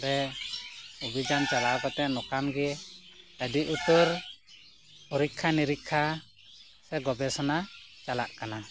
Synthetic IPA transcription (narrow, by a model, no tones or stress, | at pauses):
ɾɛ | ubid͡ʒant͡ʃalakɔt̪ɛʔnɔkamɡɛ | əɖiʔut̪ɔɾ | ɔɾikʰːaniɾikʰːa | sɛɡɔbɛsɔnat͡ʃalaʔkana